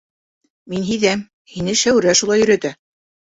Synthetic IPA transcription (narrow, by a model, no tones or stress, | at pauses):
minɦiðæm | hinɘʃæwɾæʃulˠɑjɵ̆ɾæt̪æ